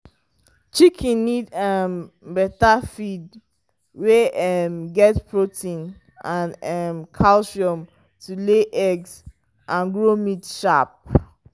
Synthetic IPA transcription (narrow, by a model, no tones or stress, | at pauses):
t͡ʃikʰĩnnidɛm | bɛtafid̚ | weɛmɡɛtpʰɹotʰĩn | ãnɛmkʰalʃiɔ̃m | tʰuleʔɛɡs | ʔãnɡɹomitʃap̚